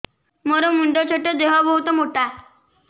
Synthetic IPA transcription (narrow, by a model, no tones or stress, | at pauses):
mɔɾəmuɳɖət͡ɕʰəʈəd̪eʋabəɦut̪ɔmoʈa